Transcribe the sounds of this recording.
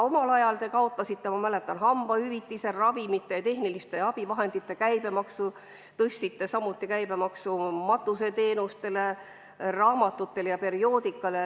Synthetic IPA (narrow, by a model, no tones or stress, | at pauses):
o̞mɑlɑjɑlt̪e̞kɑot̪ːˑɑsit̪ːemɑmæle̞t̪ːˑɑnɦɑmb̥ɑhyvit̪ːise̞rɑvimit̪ːˑe̞jɑt̪e̞hnilist̪e̞ɑb̥ivɑɦe̞nd̪̥it̪ːe̞kæjb̥e̞mɑksu | t̪ɤsʲt̪it̪ːe̞sɑmːut̪ːˑikæjbe̞mɑksumɑt̪ːˑuse̞t̪e̞ːnust̪e̞le | rɑːmɑt̪ːˑut̪ːe̞ljɑpe̞ɾio̞ːd̪̥ikːˑɑle